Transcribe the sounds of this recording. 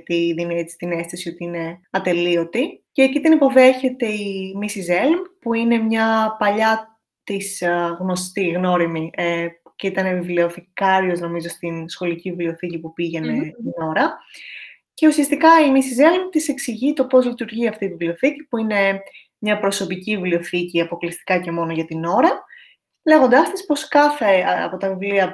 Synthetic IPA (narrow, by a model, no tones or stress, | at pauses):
t̪iðinet͡si̥st̪ine̞st̪isio̞t̪iine̞ɐt̪e̞lio̞t̪iceːcit̪inipo̞ðe̞çe̞t̪e̞imisizelmpuine̞mɲɐpɐʎɐ | t̪isɣno̞st̪iɣno̞ɾimiceit̪ɐnevivlioθikɐɾio̞zno̞mizo̞st̪insxo̞liciivleo̞θicipupiʝe̞ne̞ino̞ɾɐ | ce̞usiɐst̪ikɐimisizelint̪ise̞ksiʝit̪o̞po̞zlit̪uɾʝiɐft̪iːvivlioθicipuine̞ | mɲɐpɾo̞so̞picivivlio̞θiciɐpo̞klist̪i̥kɐce̞mo̞noʝɐt̪ino̞ɾɐ | le̞ɣo̞nd̪ɐst̪ispo̞skɐθe̞ɐɐ̰po̞t̪ɐvivliɐ